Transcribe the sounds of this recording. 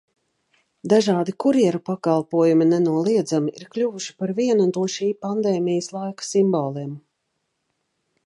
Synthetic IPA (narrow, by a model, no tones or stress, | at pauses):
d̪aʒɑːd̪ikuɾiɛɾupakalˠpuɔjuminɛnuɔlˠiɛd̪zamiʔiɾklʲuvuʃi̥paɾviɛnunt̪uɔʃiːpand̪eːmijəslˠajkḁsimbɔːlˠeːm